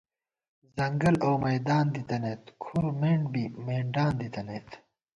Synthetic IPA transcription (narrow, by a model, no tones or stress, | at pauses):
zɐŋɡɐlowmɐjd̪aːnd̪it̪ɐnet̪kʰuɾmeːɳɖbimeːɳɖaːnd̪it̪ɐneːt̪